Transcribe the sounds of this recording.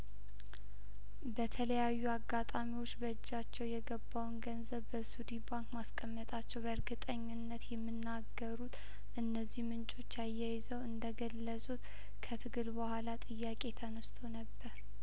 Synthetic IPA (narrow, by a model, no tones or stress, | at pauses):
bət̪ʰələjajːuaɡːat̪ʼamiwo̞t͡ʃːbəɨd͡ʒːat͡ʃːɛwjɛɡəbːawnɡənzəβbəsud̪ibaŋkmaskʼəmːət̪ʼat͡ʃːɛwbəɨɾɡɨt̪ʼəɲːɪnːət̪jɛmːɨnːaɡːəɾut̪ | ʔɨnːəzːihmɨnt͡ʃʼo̞t͡ʃːajːajɪzəwɨnd̪əɡəlːəsʼut̪ | kʰət̪ʰɨɡɨlbəhʷalat̪ʼɨjːakʼe̞t̪ʰənəst̪ʰo̞nəbːəɾ